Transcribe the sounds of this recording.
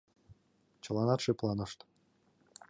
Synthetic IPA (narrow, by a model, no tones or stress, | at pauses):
t͡ɕɤ̆lˠɑnɑt̪ʃeplˠɑnɤʃt̪